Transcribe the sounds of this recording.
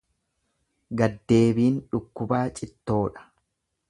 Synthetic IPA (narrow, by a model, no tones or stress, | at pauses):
ɡɐd̪ːe̞ːbiːnᶑʊkːʊbaːt͡ʃʼɪt̪ːo̞ːᶑɐ̥